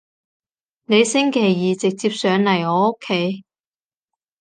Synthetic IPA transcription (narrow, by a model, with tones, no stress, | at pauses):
ne˨˧jsɪ˥ŋkʰe˨˩jːiː˨˩t͡sɪ˨k̚t͡siː˧˥p̚sœː˨˧ŋlɐ˨˩jɔː˨˧o˥kʰːe˨˥j